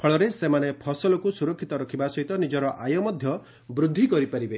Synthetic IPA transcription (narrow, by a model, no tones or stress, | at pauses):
pʰɔɭɔɾesemanepʰɔsɔlɔkusuɾɔkʰːit̪ɔɾɔkʰibasɔɦit̪ɔnid͡ʒɔɾɔʔajɔmɔd̪ʱjɔ | bɾud̪ʱːikɔɾipaɾibe